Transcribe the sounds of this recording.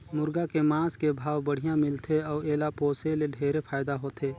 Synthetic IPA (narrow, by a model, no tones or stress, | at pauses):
mʊɾɡakemãːskebʱaːwbəɽ̤ijãmɪlt̪ʰeɔːeːlapoːseleɖʱeːɾepʰaːjd̪aɦoːt̪ʰeː